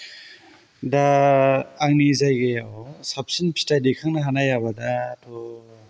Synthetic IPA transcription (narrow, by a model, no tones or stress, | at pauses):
daː | ŋnizajɡejasap̚sinpʰi̥stajdikʰaŋnaɦanajabadatɔ